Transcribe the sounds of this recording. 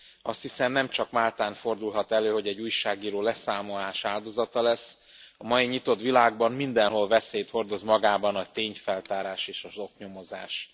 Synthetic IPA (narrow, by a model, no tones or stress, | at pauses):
ɒst̪hisɛmnɛmt͡ʃɒkmaːlt̪aːnfo̞rd̪ulɦɒt̪ɛløːho̞ɟɛɟuːjʃaːɡiːɾoːlɛsaːmo̞laːʃaːld̪o̞zɒt̪ɒlɛsː | ɒmɒjiɲit̪o̞t̪ʋilaːɡ̚bɒmmind̪ɛnɦo̞lvɛseːjt̪ho̞rd̪o̞zmɒɡaːbɒnɒt̪eːɲfɛlt̪aːɾaːʃeːʃɒzo̞kɲo̞mo̞za̰ːʃ